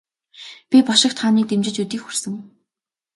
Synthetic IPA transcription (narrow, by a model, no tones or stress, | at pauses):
pʲipɔʃɪ̆kt̪χaːniːt̪emt͡ɕɪ̆t͡ɕut̪iːkxur̥sɘ̆ŋ